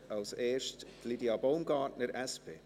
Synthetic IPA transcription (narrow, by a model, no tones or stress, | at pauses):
ɑlseːʃtlidiɑboʊmɡɑːtnəɾʔɛspʰeː